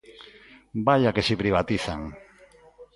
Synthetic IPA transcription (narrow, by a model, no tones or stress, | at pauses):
baʎakesipɾiβ̞at̪iθaŋ